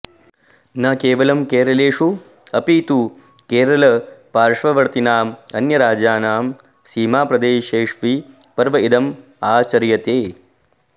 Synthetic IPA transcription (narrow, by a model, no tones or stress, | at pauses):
nɐkeːʋɐlɐmkeːɾɐleːʂu | ɐpiːt̪u | keːɾɐlɐpaːɾʂʋɐʋɐɾt̪inaːmɐnjɐɾaːd͡ʒaːnaːm | siːmaːpɾɐd̪eːʃeːʂʋi | pɐɾʋɐid̪ɐm | aːt͡ʃɐɾjɐt̪eː